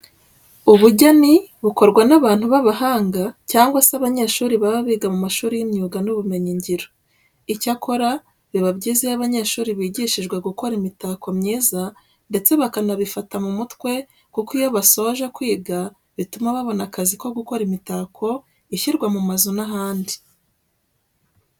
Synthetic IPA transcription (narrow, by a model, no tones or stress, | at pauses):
uβuɟaniβuko̞ɾɡwanaβaːn̥huβaβaɦaːŋɡacaːŋɡwasaβaɲe̞ːʃuːɾiβaβaβiːɡamumaʃuːɾijimɲuːɡanuβume̞ɲiɲɟiɾo | icakʰo̞ɾa | βiβabɟiːzejaβaɲe̞ːʃuːɾiβiːɟiːʃiʒɡwe̞ɡuko̞ɾimitaːko̞mɲiːza | nde̞t͡se̞βakanaβifatamumutwe̞ | kukijo̞βaso̞ʒakwiːɡa | βitumaβaβo̞nakaziko̞ɡuko̞ɾimitaːkʰo̞ | içiɾɡwamumazunaɦaːndi